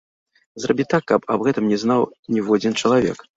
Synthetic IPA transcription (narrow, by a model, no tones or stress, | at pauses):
zrabʲit̪akːɐpɐbɣɛt̪ɨmnʲɛznawnʲɛwad͡zʲint͡ʂɐlˠavʲɛ̰k